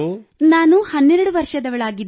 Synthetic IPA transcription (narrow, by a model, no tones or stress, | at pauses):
naːnuhɐnːɛɾɐɽuʋɐɾʂɐd̪ɐʋɐɭaːɡid̪